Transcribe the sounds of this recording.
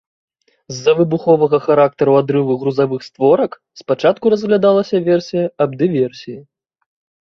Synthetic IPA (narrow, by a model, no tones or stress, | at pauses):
zːɐvɨbuxɔvɐɣɐxaɾak̚t̪ɐɾuad̪ɾɨvɨɣɾuzavɨxst̪vɔɾɐk | spat͡ʂat̪kuɾɐzɣlʲad̪alˠɐsʲɐvʲɛrsʲijɐɐbd̪ɨvʲɛrsʲiji